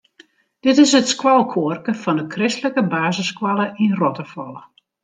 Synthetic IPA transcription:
d̥ɪtɪsətskwalˠkʰoərkəfɔndəkʰrɪstləkəbaːzəskwalˠəʔinrɔtəfɔlˠə

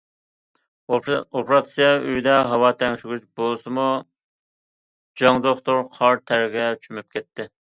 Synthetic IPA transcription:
opʰɾɑt̪sijɑyjd̪ɛɦɑwɑːt̪ʰɛŋʃyɡʲyt͡ʃbolˠsɨmu | d͡ʒɑŋd̪oχt̪oɾqʰɑɾt̪ʰæɾɡʲɛt͡ʃʰymyp̚kʲʰɛt̪ːɪ

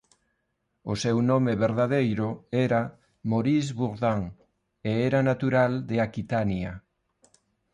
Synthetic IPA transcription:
ʊsewnomeβeɾðaðejɾʊɛɾa | moɾizβuɾðaŋ | eɛɾanat̪uɾald̪eakit̪anjɐ

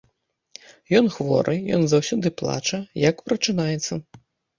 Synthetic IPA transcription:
jɔnxvɔ̰ɾʔɨjɔ̰nzɐwsʲɔd̪ɨplˠa̰t͡ʂɐjɐkpɾɐt͡ʂɨnajɛt̪sːɐ

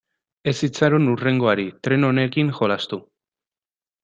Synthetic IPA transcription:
e̞sit͡saɾonure̞ŋɡo̞aɾit̪ɾe̞no̞ne̞kiŋxo̞last̪u

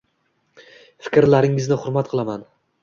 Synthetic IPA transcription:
fɪ̥kʲɾlaɾɪŋɪznɪχʊɾmat̪̚qʰɨlˠaman

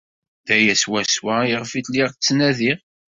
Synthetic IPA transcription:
ðæjæswæswæjʁfit̪liʁt͡sːnæðiʁ

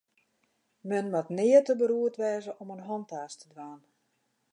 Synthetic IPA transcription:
mənmatnɪːətəbəɾuətʋɛːzəʔɔmənɦɔntaːstʰədʋaːn

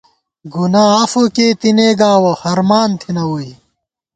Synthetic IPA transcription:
ɡunaːafoket̪ineːɡaːwɐhɐɾmaːnt̪ʰinɐwui

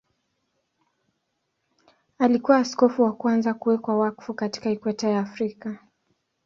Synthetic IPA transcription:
alikuwaːskɔfuwakwanzakuwɛkwawakfukati̥kaikwɛtajaːfɾika

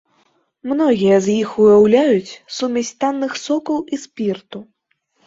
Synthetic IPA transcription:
mnɔɣʲijɐzjixujawlʲajut͡sʲsumʲɛsʲt̪anːɨxsɔkɐwʔispʲirt̪u

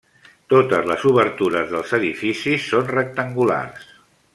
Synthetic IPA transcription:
t̪ot̪əzləzuβəɾt̪uɾəzðəlˠzəðifisisːonrək̚t̪əŋɡula̰rs

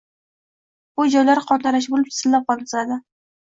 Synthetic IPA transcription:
bʊd͡ʒɒjlaɾqʰɒt̪aɾaʃ̬bolɪp̚t͡ʃ̪ʰɪ̥sɪlːap̚qɒlˠd̪ɪzad̪ɪ

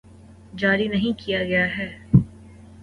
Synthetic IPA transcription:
d͡ʒaːɾinɐɦĩkijaɡɐjaɦɛː

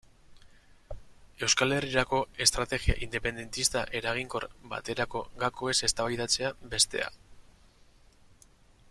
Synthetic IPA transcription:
e̞wskale̞riɾako̞e̞st̪ɾat̪e̞ɣia̰ʔind̪e̞pe̞nd̪e̞nt̪ist̪aʔe̞ɾaɣ̞iŋko̞ɾba̰t̪e̞ɾako̞ɣako̞e̞se̞st̪aβajðat͡se̞abe̞st̪e̞̰a̰

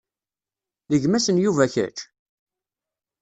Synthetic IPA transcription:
ðəʝmæsənjuvæçæ̰t͡ʃ

